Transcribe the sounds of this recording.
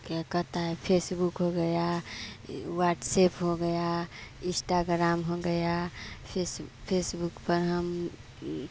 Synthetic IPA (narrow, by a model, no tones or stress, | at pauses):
kekət̪aepʰesbukɦoɡəja | waːʈsepɦoɡəjaɪ̃sʈaɡɾaːmɦoɡəjapʰespʰesbukpəɾɦəm